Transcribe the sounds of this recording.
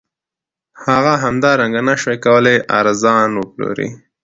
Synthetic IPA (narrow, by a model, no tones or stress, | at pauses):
haɣaɦamd̪ɑɾaŋɡanaʃekawəleʔa̰ɾzɑnwəplo̰ɾḭ